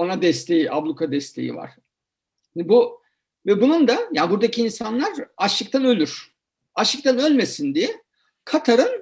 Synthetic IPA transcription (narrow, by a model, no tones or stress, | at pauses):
onad̪ɛst̪ʰe̞jiʔablˠukʰad̪ɛst̪ʰe̞̰jḭva̰ɾ̥ | inbu | vɛbunund̪ajaːnbuɾd̪acʰiːnsanlˠaɾaʃlˠɯk̚t̪ʰanø̞lʲyɾ̥ | aʃˠɯk̚t̪ʰanø̞lʲme̞sind̪ijɛ | kʰat̪ʰaɾɯn